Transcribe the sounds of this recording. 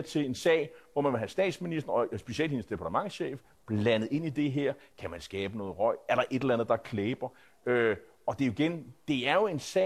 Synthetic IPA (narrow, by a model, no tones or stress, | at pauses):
t͡sʰe̝e̝nsɛ̰ɪʋɒmænʋe̝ɦæsd̥ɛ̰ːd̥sminisd̥ɐɒ̽sb̥e̝ɕiel̰̥hinsd̥e̝pʰɑ̈t͡sʰəmɑ̈ŋ̰ɕḛːf | b̥lænəð̞̩ˠe̝nid̥e̝ɦeɐ̰kʰæmænsɡ̥ɛːb̥ənɔ̽ːð̩ˠʁɒɪ̰æɐɾ̥ɑ̈ʔe̝d̥elænð̩ˠd̥ɑ̈kʰleːb̥ɐ | ø | ɒ̽d̥e̝iɡ̥end̥e̝æɐjo̝e̝nsɛ